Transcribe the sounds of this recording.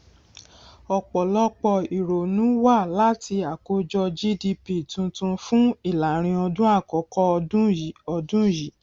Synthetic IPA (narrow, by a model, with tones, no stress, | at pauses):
ɔ˨k͡pɔ˨lɔ˦k͡pɔ˧i˨ɾo˨nũ˨˦wa˦˨la˦ti˧a˨ko˦d͡ʒɔ˧d͡ʒi˦di˧pi˨tũ˧tũ˧fũ˦i˦˨la˨ɾ̃ĩ˧ɔ˧dũ˦a˦˨kɔ˨˦kɔ˧ɔ˧dũ˦i˨˦ɔ˧dũ˦˨ji˨˦